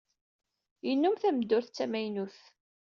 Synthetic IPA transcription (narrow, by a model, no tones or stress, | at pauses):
jənːʊmθæmd̪ːʊɾθt͡sːæmæjnuθ